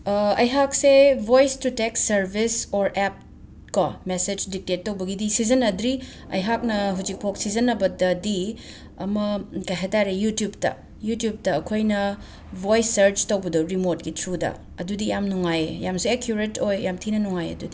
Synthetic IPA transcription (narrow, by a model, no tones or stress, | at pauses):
ɐjɦak̚sebojstuteksɐɾbisoɾep̚ | kɔmesed͡ʒdik̚tetːɐwbɐɡidisizɐnɐdɾi | ɐ̰jɦak̚nɐɦud͡ʒik̚pʰok̚sizɐnɐbɐdɐdi | ɐmɐkajɦataɾejutjub̚tɐ̰ | jutjub̚tɐːkʰojnɐ | bʱojsːɐɾd͡ʒtɐwbɐdoɾimot̚ɡitʰɾudɐ̰ | ɐdudijamnuŋajejamsiekʰjuɾetʰojːamtʰinɐnuŋajɐ̰dudi